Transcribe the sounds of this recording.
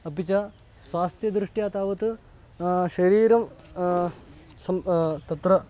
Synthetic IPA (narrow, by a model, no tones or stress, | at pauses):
ɐpit͡ʃɐ | sʋaːst̪ʰjɐd̪ɾiʂʈijaːt̪aːʋɐt̪ɨ | ʃɐɾiːɾɐm | sɐmt̪ɐt̪ɾɐ